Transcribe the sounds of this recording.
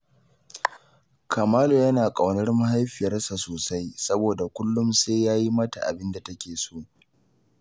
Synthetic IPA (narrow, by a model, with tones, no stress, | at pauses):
kʰa˨maː˦lo˨jɐ˦naː˨kʼa˨wnɐ˦rma˦ɦa˦jɸɪ˨jɐ˦rsa˨soː˨sa˦jsɐ˦boː˨da˨kʷʊ˦lːʊ˦mseː˦jjaː˦ji˦mɐ˦ta˨ʔa̰˨bɪ˦nda˨tɐ˦kʲeː˨soː˦